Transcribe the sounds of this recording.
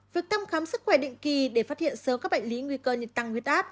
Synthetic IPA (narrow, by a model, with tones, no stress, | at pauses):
vi˨˩ək̚t̪ʰa˧wŋ͡mxaː˨˦msɨ˦˥kxwɛ˧˩ɗḭ̈˧˨ŋ̟ki˨˩ɗe˧˩faː˦˥t̚hḭ˧˨ənsəː˨˦mkaː˦˥k̚ɓa̰˧˨ŋli˨˦ŋwi˧kəː˧ɲi˨˩t̚t̪a˨˩ŋhwi˨˩ət̚ʔaː˦˥t̚